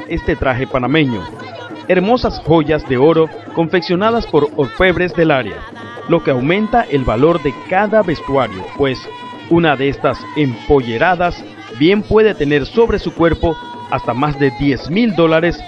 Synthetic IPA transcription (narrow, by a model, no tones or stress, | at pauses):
e̞st̪e̞t̪ɾaxe̞panamẽ̞ɲo̞̰ | e̞ɾmo̞sasxo̞ʝazd̪e̞o̞ɾo̞ | ko̞ɱfe̞ksjo̞naðaspo̞ɾoɾfe̞βɾe̞zd̪e̞laɾea̰ | lo̞ke̞awmẽ̞nt̪aʔe̞lβalo̞ɾðe̞kaðaβe̞st̪waɾjo̞̰pwe̞s | unaðeest̪ase̞mpo̞ʝe̞ɾaðas | bje̞mpwe̞ðe̞t̪e̞ne̞ɾso̞βɾe̞sukwe̞ɾpo̞ | a̰st̪amazd̪e̞d̪je̞zmild̪o̞laɾe̞s